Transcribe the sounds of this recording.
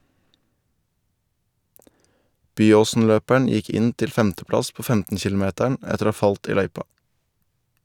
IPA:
ˈbyːoːsn̩ˌløːpæɳ̩ ˈjɪk ˈɪn ˈtɪl ˈfɛmtəˌplɑs ˈpoː ˈfɛmtən ˈçɪlʊˌmeːtæɳ ˈɛtəɾ ˈoː ˈhɑː ˈfɑlt ˈiː ˈlœʏpɑ

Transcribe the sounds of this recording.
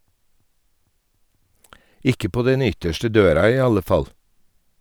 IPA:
ˈɪkə ˈpoː ˈdɛn ˈʏtəʃʈə ˈdøːɾɑ ˈiː ˈɑlə ˈfɑl

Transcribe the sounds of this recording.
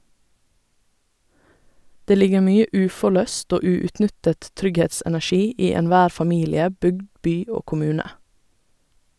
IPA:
ˈdeː ˈlɪɡə ˈmyːə ˈʉːfɔˌlœst ˈoː ˈʉːʉtˌnʏtət ˈtɾʏɡhɛtsɛnæˌʃiː ˈiː ɛnˈʋæːɾ fɑˈmiːlɪə ˈbʏɡd ˈbyː ˈoː kʊˈmʉːnə

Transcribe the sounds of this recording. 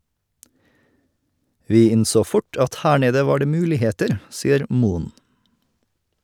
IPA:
ˈʋiː ˈɪnˌsoː ˈfʊʈ ˈɑt ˈhæː ˈɳeːdə ˈʋɑː ˈɖeː ˈmʉːlɪˌheːtəɾ ˈsiːəɾ ˈmuːən

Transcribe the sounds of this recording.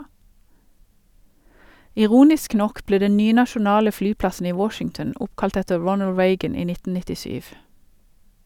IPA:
ɪˈʁuːnɪsk ˈnɔk ˈbleː ˈdɛ ˈnyːə nɑʃʊˈnɑːlə ˈfɽyːˌpɽɑsn̩ ˈiː ˈwɔʃɪŋtn̩ ˈʊpkɑlt ˈɛtə ˈɹɔnəl ˈɹeɪɡən ˈiː ˈnɪtn̩ nɪtɪˈʃyːʋ

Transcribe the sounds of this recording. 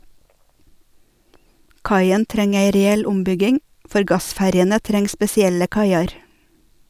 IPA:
ˈkɑɪən ˈtɾɛŋ ˈæɪ ɾɛˈɛl ˈʊmˌbʏɡɪŋ ˈfɔɾ ˈɡɑˌsfæɾjənə ˈtɾɛŋ spɛsɪˈɛlə ˈkɑɪɑɾ

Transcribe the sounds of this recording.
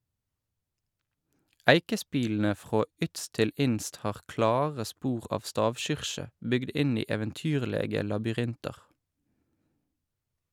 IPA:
ˈæɪkəˌspiːln̩ə ˈfʁoː ˈʏtst ˈtɪl ˈɪnst ˈhɑːʁ ˈklɑːʁə ˈspuːʁ ˈɑːf ˈstɑːʋˌʃʏʁʃə ˈbʏɡd ˈɪn ˈiː eːʋənˈtyːʁleːɡə lɑbʏˈʁɪntɑʁ

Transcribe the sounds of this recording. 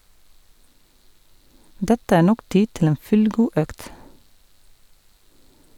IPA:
ˈdɛtə ˈæː ˈɳɔk ˈtiː ˈtɪl ˈeːn ˈfʉlˌɡuː ˈœkt

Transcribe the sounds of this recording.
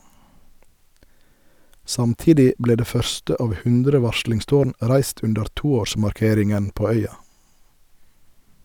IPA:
ˈsɑmˌtiːdɪ ˈbleː ˈdeː ˈfœɾstə ˈɑːʋ ˈhʉndɾə ˈʋɑʃɭɪŋˌstoːɳ ˈʔɾæɪst ˈʉndəɾ ˈtuːˌoːʃmɑɾˌkeːɾɪŋən ˈpoː ˈœʏɑ

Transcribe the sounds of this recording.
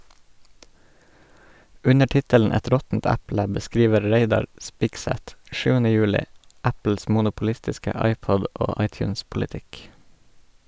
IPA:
ˈʉnə ˈtɪtəln̩ ˈɛt ˈɾɔtn̩t ˈæplə bəˈskɾiːʋə ˈɾeɪdɑɾ ˈspɪɡsɛt ˈʃʉːənə ˈjʉːlɪ ˈæpl̩s mʊnʊpl̩ˈɪstɪskə ˈɑɪˌpɔd ˈoː ˈɑɪˌtjʉːnspʊlɪˌtɪk

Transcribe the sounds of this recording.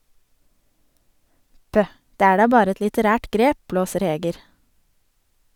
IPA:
ˈpœh ˈdeː ˈæː ˈɖɑː ˈbɑːɾ ˈɛt lɪtəˈɾæːʈ ˈɡɾeː ˈpbloːsəɾ ˈheːɡəɾ

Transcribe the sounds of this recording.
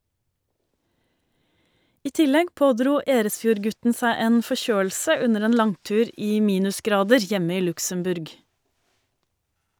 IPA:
ˈiː ˈtɪlɛɡ ˈpoːˌdɾuː ˈeːɾəsˌfjuːɾˌɡʉtn̩ ˈsæɪ ˈeːn fɔˈçøːl̩sə ˈʉnəɾ ˈeːn ˈlɑŋˌtʉːɾ ˈiː ˈmiːnʉsˌɡɾɑːdəɾ ˈjɛmə ˈiː ˈlʉksəmˌbʉɾɡ

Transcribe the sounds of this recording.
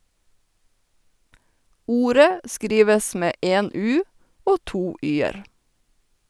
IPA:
ˈuːɾə ˈskɾiːʋəs ˈmeː ˈʔeːn ˈʉː ˈoː ˈtuː ˈʔyːəɾ

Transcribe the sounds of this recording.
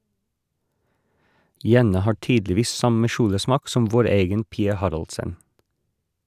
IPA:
ˈjɛnɑ ˈhɑː ˈʈyːdlɪˌʋiːs ˈsɑmə ˈʃuːləˌsmɑːk ˈsɔm ˈʋoːɾ ˈeːɡən ˈpiːɑ ˈhɑɾɑlsən

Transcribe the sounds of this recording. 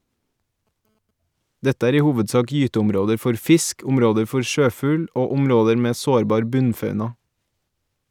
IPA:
ˈdɛtə ˈæːɾ ˈiː ˈhuːʋədˌsɑːk ˈjyːtəʊmˌɾoːdəɾ ˈfɔɾ ˈfɪsk ˈʊmˌɾoːdəɾ ˈfɔɾ ˈʃøːˌfʉːl ˈoː ˈʊmˌɾoːdəɾ ˈmeː ˈsoːɾˌbɑːɾ ˈbʉnˌfɑʉnɑ

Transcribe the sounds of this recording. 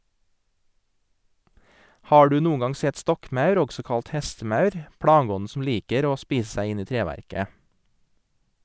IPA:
ˈhɑː ˈɖʉː ˈnuːəŋ ˈɡɑŋ ˈsɛt ˈstɔkˌmɑʉɾ ˈɔɡsɔ ˈkɑlt ˈhɛstəˌmɑʉɾ ˈpɽɑːˌɡɔnn̩ sm̩ ˈliːkəɾ ˈoː ˈspiːs ˈsæɪ ˈɪn ˈiː ˈtɾeːʋæɾkə

